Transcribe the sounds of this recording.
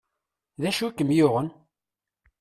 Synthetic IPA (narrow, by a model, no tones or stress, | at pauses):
ðæʃuækːəmjʊʁən